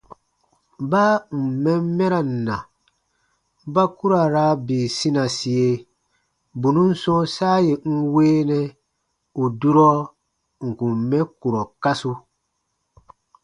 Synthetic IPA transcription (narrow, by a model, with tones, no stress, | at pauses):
baː˦m̩˨mɛ̃˦mː˦ɛ˦ɾa˨n̩˨na̰˨ | ba˦ku˦ɾa˨ɾa˦biː˨sĩ˦na˨si˨je˦ | bu˨nũ˦n̩˦sɔ̃˦saː˦je˨ŋ̩˦weː˦nɛ˦ | u˨du˦ɾɔ˦ | ŋ̩˨kũ˨m˨mɛ̃˦ku˨ɾɔ˨ka˦su˦